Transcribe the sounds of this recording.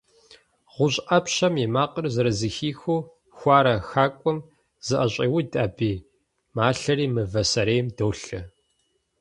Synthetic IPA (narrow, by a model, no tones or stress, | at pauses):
ʁʷʊɕʼʔɐpɕɐmimaːqərzɨɾɐzɨxiːxoː | xʷɑːɾɐxaːkʷʼɔm | z̥ɨʔɐɕʼiːwidʼaːbiː | maːɬɐriːmɨvɐsɐɾeːjmdɐwɬɨ